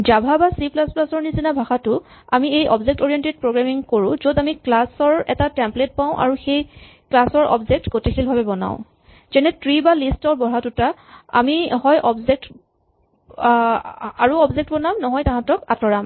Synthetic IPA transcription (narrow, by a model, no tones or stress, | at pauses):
d͡ʒabʱabasiplasplasɔɹnizinabʱaxatʊ | amiejɔ̰bzek̚tɔɹijɛnted̚pɹoɡɹamiŋkoɹʊ̃zodamiklasɔɹɛ̰tatɛmplet̚paʊ̃ʔa̰ɹuxej | klasɔɹɔ̰bzek̚tɡotikʰilbʱabɛbɔna̰ʊ̃ | zɛnɛtɹibalistɔɹbɔɹatʊtaa̰mihɔjʔɔbzek̚t | aɹuɔbzek̚tbɔnamnɔɦɔjtaɦãtɔkatɔɹam